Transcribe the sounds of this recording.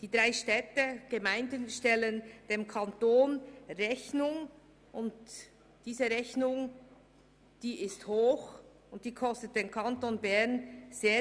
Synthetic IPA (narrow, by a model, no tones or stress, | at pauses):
d̥iːdʁaɪʃtɛːtəɡ̥əmaɪndənʃtɛlənd̥eːmkʰantoːnrɛçnʊŋ | ʔʊnt | d̥iːzəʁɛçnʊŋ | d̥iːɪsthoːx | ʊnt̚d̥iːkʰɔstət̚d̥eːnkʰantonbɛʁnz̥eː